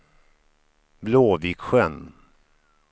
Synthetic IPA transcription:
bloːviːkɧɛn

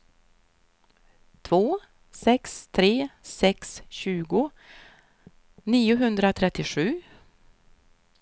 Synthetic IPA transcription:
t̪ʰvoː | sɛkst̪ʰɾeːsɛksɕʉ̟ːɡʊ | niːʊɦɵnd̪ɾat̪ʰɾɛt̪ːɪʂʉ̟ː

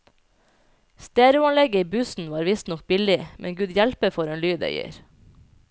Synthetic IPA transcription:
st̪æːɾʉɑnlɛɡəiːbʉsn̩ʋɑːɾʋɪst̪nɔk̚bɪlɪmʔɛ̰ŋɡʉːd̪jælpəfɔɾeːnlyːd̪ḛʏə̰ɾ

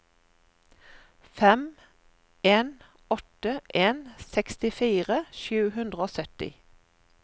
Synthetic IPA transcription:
fɛm | eːn | ɔt̪əʔeːnsɛkst̪ɪfiːʁəʃʉːhʉnd̪ʁəoːsœt̪ɪ̰

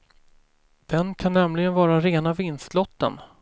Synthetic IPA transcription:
d̪̥ɛnkʰanːɛmlɪɡənvɑːɾaɾeːnavɪnst̪lɔt̪ːə̰n

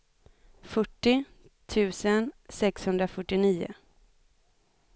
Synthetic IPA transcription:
fœʈːɪ | t̪ʰʉ̟ːsənsɛkshɵnd̪ɾafœʈːɪniːʊ̰

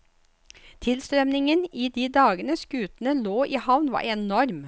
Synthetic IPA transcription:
t̪ʰɪlst̪ɾœmnɪŋəniːd̪iːd̪ɑːɡənəskʉːt̪n̩əloːʔiːhɑʋnʋɑ̰ːɾɛnɔɾm

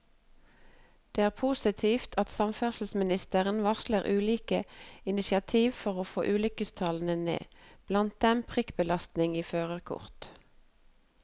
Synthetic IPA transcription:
d̪̥eːæːʁpʰusɪt̪ʰiːft̪ʰɑt̪sɑmfæʁsl̩smɪnɪst̪əʁənʋɑʃləʁʔʉːliːkəɪnɪsɪɑt̪ʰiːʋfɔʁoːfo̰ːʔʉːlʏkəst̪ʰɑln̩ənḛːb̥lɑnt̪̚d̪ɛmpʰʁɪkbəlɑst̪nɪŋiːføːʁəʁkʰʊ̰ʁt̪

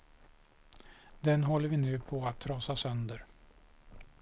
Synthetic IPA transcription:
d̪ɛnɦɔlːəɾvɪnʉ̟ːpʰɔat̪ʰːɾɑːsasœnd̪əɾ

